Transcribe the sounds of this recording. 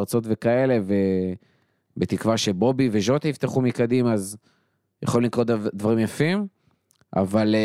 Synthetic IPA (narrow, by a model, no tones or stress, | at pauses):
ʁt͡so̞t̪ve̞kae̞le̞ve̞ | bet̪ikvaʃe̞bo̞bive̞ʒo̞t̪aift̪eχumikad̪imaːz | jaχolulikʁotd̪vaʁimjafim | ʔa̰val